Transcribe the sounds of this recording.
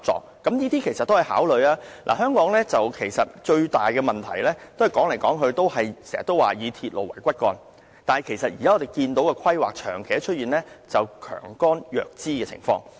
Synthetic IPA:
t͡sɔ̰ː˨k̚kɐ˨˥mniː˥t̪iː˥kʰe˨˩jsɐ˨t̪̚ːo˥whjha̰ː˨˥wlɵ˨˧ɥaː˥lʔa̰ː˨˩ɦœː˥ŋkɔː˨˥ŋlɛː˥t͡sɐ˨wkʰe˨˩jsɐ˨t̚t͡ʃɵ˧ɥt̪aː˨jkɛː˧mɐ˨nt̪ʰɐ̰˨˩jlɛː˥t̪o˥whɐ˨jkɔː˨˥ŋle˨˩jkɔː˨˥ŋɦɵ˧ɥt̪o˥whɐ˨jsɛː˨˩ɐ̰˨t̪o˥wa̰ː˨jiː˨˧t̪ʰiː˧t̚lo̰˨˩wɐ̰˨˩jkʷɐ˥t̚kɔː˧n | t̪aː˨nhɐ˨jkʰe˨˩jsɐ˨t̚jiː˨˩aː˨˥ɔː˨˧t̪e˨˩jkiː˧nt̪o˨˥wkɛː˧kʰɐ˥jwa̰ː˨k̚t͡ʃʰœ̰ː˨˩ŋkʰe˨jt͡ʃʰɵ˥t̚jiː˨nlɛː˥t͡sɐ˨wkʰœ̰ː˨˩ŋkɔː˥njœ̰ː˨k̚t͡siː˥kɛː˧t͡sʰɪ̰˨˩ŋfɔ̰ː˧ŋ

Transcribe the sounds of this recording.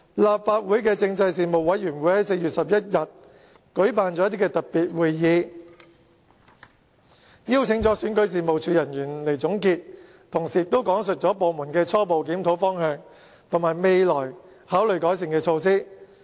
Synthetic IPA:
laː˨p̚faː˧t̚wuː˨˥jkɛː˧t͡sɪ˧ŋt͡sɐ˧jsiː˨˧mo˨˩wwɐ˨˥jɥyː˨˩nwu˨˥jhɐ˨˥jse˧jɥyː˨t̚sɐ˨p̚jɐ˥t̚jɐ˨t̚ | kɵ˨˥ɥpaː˨nt͡sɔː˨˥t̪̬i˥kɛ˧t̪ɐ˨˩t̚piː˨t̚wuː˨jːiː˨˧ | jiː˥wt͡sʰɪ˧˥ŋt͡sɔː˨˥syː˨˥nkɵ˨˥ɥs̬iː˨mo˨wt͡ʃʰyː˨˧jɐ˨˩njyː˨˩nle˨˩jt͡sʊ˨˥ŋkiː˧t̚ | t̪ʰʊ˨˩ŋsiː˨˩t̪o˥wkɔː˨˥ŋsɵ˨˩t̚t͡ʃɔː˨˥po˨wmuː˨˩nkɛː˧t͡sʰɔː˥po˨wk̬iː˨˥mt̪ʰo˨˥wfɔː˥ŋhœː˧ŋ | t̪ʰʊ˨˩ŋmaː˨˩jme˨˧jlɔː˨˩j | haː˨˥wlɵ˨ɥjkɔː˨˥jsɪ˨ŋkɛː˧t͡sʰo˧ws̬iː˥

